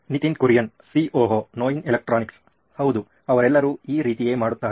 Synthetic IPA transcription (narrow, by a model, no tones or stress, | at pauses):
nit̪inkuɾjɐn | siːʔoːɦoːnoːjinilek̚ʈɾaːniks | hɐwd̪u | ɐʋɐɾɛlːɐɾuːiːɾiːt̪ije̞ːmaːɽut̪ːaː